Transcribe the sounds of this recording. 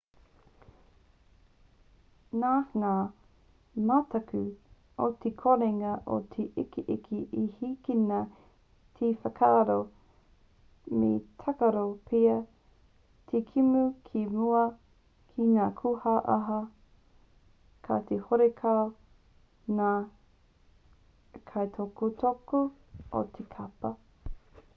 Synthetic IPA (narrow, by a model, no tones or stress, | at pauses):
naːŋaː | matɐkʉ | ot̪ʰekʰoɾeŋɐʔo̰t̪ʰeʔikiʔikʰiʔihikinɐ | tʰefɐkʰaːɾo | mḛtʰakɐɾopʰeɐ | tʰekʰimukʰimuɐ | kʰinaːkʰuhaʔɐɦɐ | kʰa̰t̪ʰehoɾekʰao | naː | kʰajtʰokot̪ʰokoo̰tʰekʰɐpɐ